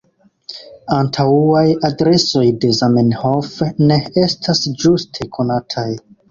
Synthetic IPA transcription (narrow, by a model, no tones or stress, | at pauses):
antʰawuajadɾe̞so̞jde̞zamenhofne̞e̞stʰasd͡ʒustʰe̞kʰo̞natʰaj